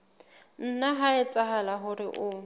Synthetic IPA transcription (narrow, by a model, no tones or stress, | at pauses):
n̩naɦaɪt͡sʼaɦalaɦʊrɪʔʊ